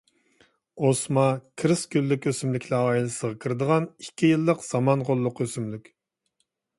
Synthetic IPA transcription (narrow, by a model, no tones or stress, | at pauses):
osmɑkʲʰɾɨskʲylːɪkʲøsymlɪkʲʰlˠɑɑjilˠɨsəʁɑkʲʰiɾɨd̪əʁɑnikʲʰːijɨlˠːəqz̥ɑmɑnqolˠːʊqøsymlykʲ